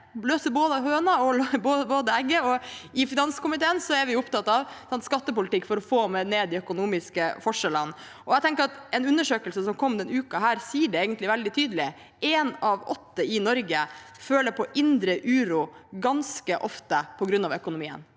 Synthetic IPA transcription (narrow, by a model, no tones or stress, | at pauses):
løːsəboːd̪əɑhøːnɑɔboːboːd̪əɛɡəɔɪfɪnɑnskʊmɪt̪ʰeːənsɔɛɾʋɪjʊʊpt̪ɑt̪ːɑʋsɑnt̪skɑt̪ːəpʊlɪt̪ɪkːfɔɾɔfoːmɛneːd̪ɪœkʊnuːmɪskəfɔʂɛlən | ɔæɪt̪ʰɛŋkəɾɑt̪ɛnʉnːəʂøːkəlsəsɔmkʰɔmːd̪ɛnʉːkɑɦæːɾsiːəɖɛeːɡənt̪lɪʋɛld̪ɪt̪ʰyːd̪əlɪ | enɑʋɔt̪ːəɪnɔɾɡəføːləɾpʰɔʔɪnd̪ɾəʔʉːɾʊɡɑnskəʔɔft̪əpʰɔɡɾʉnːɑʋœkʊnʊmiːə̰n